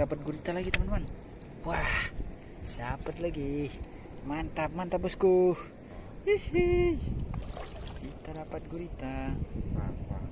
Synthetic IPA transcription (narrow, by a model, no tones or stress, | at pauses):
apat̪̚ɡuɾit̪alaɡit̪əmant̪man | wah | sapət̪̚laɡi | mant̪ap̚mant̪abʊskuh | ihi | kit̪adapat̪̚ɡuɾit̪a